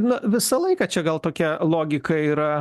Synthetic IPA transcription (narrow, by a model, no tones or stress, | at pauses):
nʊʋʲɪsɐlˠɐɪkɑt͡ʃʲɛɡɐlˠt̪oːkʲɛlˠoːɡʲɪkɐiːɾɐ